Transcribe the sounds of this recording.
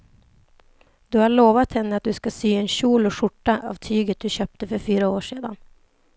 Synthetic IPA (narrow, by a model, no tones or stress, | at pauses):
d̪̥ɵhaɭoːvat̪hɛnːəat̪̚d̪ɵskasyːɛnɕuːlɔɧʊʈːaʔa̰vt̪ʰyːɡət̪̚d̪ɵɕøːp̚t̪əfœɾfyːɾaoːʂeːd̪an